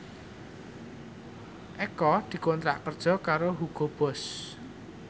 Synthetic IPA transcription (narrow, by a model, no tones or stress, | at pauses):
ʔɛkɔd̪̥i̤kont̪ɾa̰ʔkərd̥ʒ̥ɔ̤kaɾoɦuɡ̥o̤b̥ɔ̤s